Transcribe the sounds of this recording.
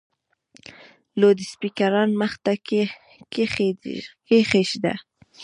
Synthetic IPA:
lod̪ɪspikaɾɑnməxt̪a | kexekexeʃd̪a̰

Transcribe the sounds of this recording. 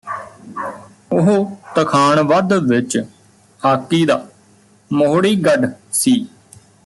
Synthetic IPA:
ʊɦot̪əkʰaːɳʋəd̪ʋɪt͡ʃ | haːkːiːd̪aː | moɦɽiːɡəɖsiː

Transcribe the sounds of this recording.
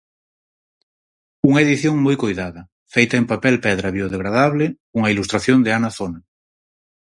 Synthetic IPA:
uŋaeðiθjoŋmujkojðaðɐ | fejt̪aempapelpeðɾaβjoð̞eɣ̞ɾað̞aβ̞le | uŋailust̪ɾaθjond̪eanaθona

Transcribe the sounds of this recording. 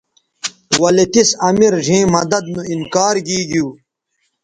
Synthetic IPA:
wɐlet̪isɐmiɾʐĩːmɐd̪ɐd̪̚nuinkaːɾɡiːɡuː

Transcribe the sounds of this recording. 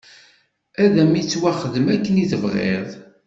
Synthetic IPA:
æðæmit͡sːwæχəðəmækːəniðəvʁḛðˤ

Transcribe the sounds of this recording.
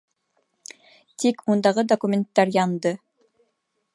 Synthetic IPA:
t̪ikmund̪ɑʁɤd̪okumʲent̪ːɑɾjɑnd̪ɤ

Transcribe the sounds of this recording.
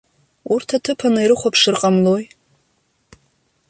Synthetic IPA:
urtʰatʰɨpʰanaiɾɨχʷapʰʂɨrqʼamloj

